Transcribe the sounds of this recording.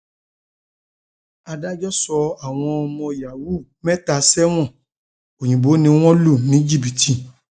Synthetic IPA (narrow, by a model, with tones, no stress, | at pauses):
a˧da˦d͡ʒɔ˦sɔ˧a˨w̃ɔ̃˧ɔ˧mɔ̃˧ja˨wu˦mɛ̃˦ta˧sɛ˦w̃ɔ̃˦˨ | o˨jĩ˨bo˨˦nĩ˧w̃ɔ̃˦lu˦˨nĩ˨˦d͡ʒi˦˨bi˨ti˨